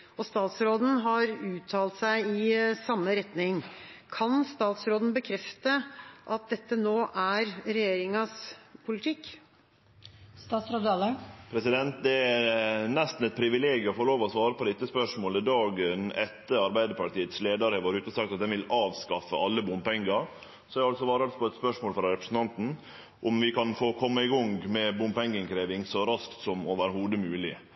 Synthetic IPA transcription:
ɔst̪ɑːt̪sɾoːd̪n̩ɦɑɾʉːt̪ʰːɑːlt̪sæɪɪsɑmːəɾɛt̪nɪŋkʰɑnst̪ɑːt̪sɾoːd̪n̩bəkʰɾɛft̪əʔɑt̪̚d̪ɛt̪ːənoːʔæɾɾɛjeːɾɪŋɑspʰʊlɪt̪ʰɪkː | st̪ɑːsɾoːd̪ɑləpʰɾɛsɪd̪ɛnt̪̚d̪ɛæɾnɛst̪n̩ɛt̪̚pʰɾɪʋɪleːɡjəɔfoloːʋɔɔsʋɑːɾəpɔd̪ɛɪt̪ːəspœʂmoːləd̪ɑːɡənɛt̪ːəɾɑɾbæɪd̪əɾpɑʈiːət̪sleːd̪ɑɾhɛʋɑɾʉːt̪əɔsɑk̚t̪ɑt̪̚d̪ɛnʋɪlɑːʋskɑfəʔɑlːəbʊmpɛŋɡəɾ | sɔæɾɑlsɔʋɑːɾɑlspʰɔɛt̪spœʂmoːlfɾɑɾɛpɾəsn̩t̪ɑnt̪n̩ | ʔʊmʋɪkɑnfoːkʰɔmːəɪɡɔŋmɛbʊmpɛŋɡəŋkʰɾeːʋɪŋsɔɾɑskt̪sɔmɔʋæːɾəhuːd̪əmʉːlɪ

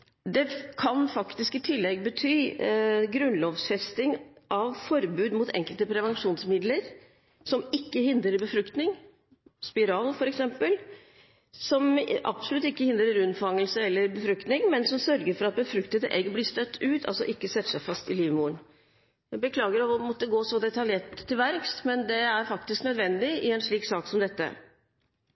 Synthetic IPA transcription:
d̪ɛkʰɑnfɑkt̪ɪskɪt̪ʰɪlːɛɡbət̪ʰyːɡɾʉnloːʋsfɛst̪ɪŋʔɑʋfɔɾbʉːd̪muːt̪ʰɛ̰ŋkəlt̪əpʰɾɛʋɛnʂuːnsmɪd̪ləɾ | sɔmɪkːəhɪnd̪ɾəɾbəfɾʉkt̪nɪŋ | spɪɾɑːlfɔɾɛksɛmpəl | sɔmʔɑ̰bsɔlʉt̪ːɪkːəhɪnd̪ɾəɾʉnfɑŋːəlsəɛlːəɾbəfɾʉkt̪nɪŋmɛnsɔmsœɾɡəɾfɔɾɑt̪̚bəfɾʉkt̪ət̪ʔɛ̰ːɡəblist̪œt̪ʰːʉːt̪ʰɑ̰lsɔ̰ʔɪkːəsɛt̪ːsæɪfɑst̪ɪliːʋəmuːəɳ | bəkʰlɑːɡəɾɑmɔt̪ːəɡoːsɔd̪ɛt̪ɑljeːʈʰːɪlʋæɾkst̪mɛnd̪ɛæɾfɑk̚t̪ɪsknœd̪ʋɛnd̪ɪɪɛnʂɭiːksɑːksɔmd̪ɛt̪ːə̰

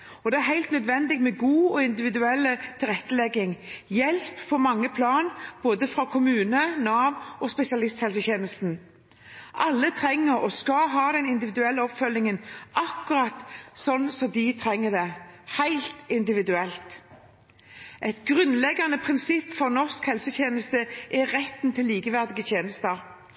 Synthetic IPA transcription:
ɔd̪ɛæɾɦæɪlt̪nœd̪ʋɛnd̪ɪɡmɛɡuːɔɪnd̪ɪʋɪd̪ʉɛlːət̪ʰɪlʁɛt̪ːəlɛɡːɪŋjɛlppʰɔmɑŋːəpʰlɑːnb̥oːd̪əfɾɑkʰʊmʉːnənɑːʋɔspɛsɪɑlɪst̪hɛlsəçeːnəst̪n̩ | ʔɑlːət̪ʰɾɛŋːəɾɔskɑɦɑːd̪ɛnɪnd̪ɪʋɪd̪ʉɛlːəɔpfœlnɪŋənʔɑkːʊɾɑt̪sɔnːsɔmd̪ɪt̪ʰʁɛŋːəd̪ɛhæɪlt̪ɪnd̪ɪʋɪd̪ʉɛlt̪ | ʔɛt̪ɡʁʉnlɛɡːɑnəpʰʁɪnsɪpːfɔʁnɔʁskhɛlsəteːnəst̪əʔɛʁɛt̪ːnt̪ʰɪlːiːkəʋæʁd̪ɪɡət̪ʰjeːnəst̪əʁ

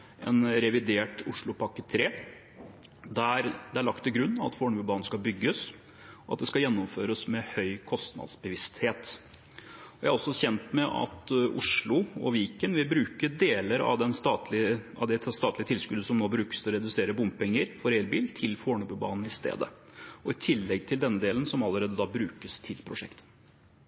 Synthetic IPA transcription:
ʔɛnɾɛʋɪd̪eːʈʊʂɭʊpʰɑkːət̪ʰɾeː | d̪æɾd̪ɛæɭɑk̚t̪ːɪɡɾʉnːɑʋɑ̰t̪foːɳbʉːbɑːnn̩skɑbʏɡːəs | ɔɑt̪̚d̪ɛskɑjɛnːʊmføːɾəsmɛhœʏkʰɔst̪nɑ̰d̪sbəʋɪst̪heːt̪ | ɔjæɪæɾɔsːɔçɛnt̪mɛʔɑ̰t̪ʔʊʂlʊɔ̰ʋiːkənʋɪlbɾʉːkəd̪eːləɾɑ̰ʋd̪ɛnst̪ɑt̪lɪɑ̰d̪ɛst̪ɑːt̪lɪət̪ʰɪlskʉd̪əsɔmnoːbɾʉːkə̥st̪ʰɪlɔɾɛd̪ʉseːɾəbʊmppɛŋːəɾfɔɾɛːlbiːlt̪ʰɪlfoːɳəbʉbɑ̰ːnn̩ɪst̪ḛːd̪ə̰ɔɪt̪ʰɪlːɛɡt̪ʰɪld̪ɛnːəd̪eːlənsɔmɑlːəɾeːd̪əd̪ɑːbɾʉːkəst̪ʰɪlpʰɾʊʂɛ̰kt̪ə̥

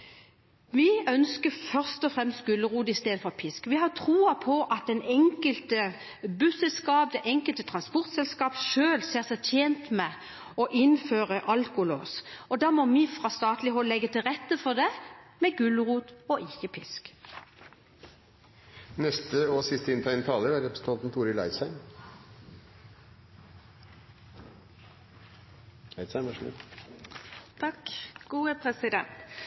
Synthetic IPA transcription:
ʋɪœnskəfœʁst̪ɔfʁɛmst̪̚ɡʉlʁuːd̪ɪst̪eːd̪əfɔʁpʰɪskʋɪhɑʁt̪ʰʁuːəpʰɔʔɑt̪̚d̪ɛnɛŋkəlt̪ə | bʉːsɛlskɑːp̚d̪ɛʔɛŋkəlt̪ət̪ʰʁɑnspɔʁt̪sɛlskɑːpʃøːlseːʁsɛt̪ʰjeːnt̪mɛ | ɔʔɪnføːʁəʔɑlkʊlo̰ːsɔd̪ɑːmɔʋɪfʁɑst̪ɑːt̪lɪhɔllɛɡːət̪ʰɪlʁɛt̪ːəfɔd̪ɛmɛɡʉlʁuːt̪ɔʔɪçəpʰɪsk | nɛst̪əɔsɪst̪əɪnt̪ʰæɪnət̪ʰɑːləɾæɾɛpɾəsən̩t̪ʰɑnt̪n̩t̪ʰuːɾɪlæ̰ɪsæɪm | æɪsæɪnʋɑʂmɪ̰ | t̪ʰɑkɡ̥uːəpʰɾɛsɪd̪ɛ̰nt̪

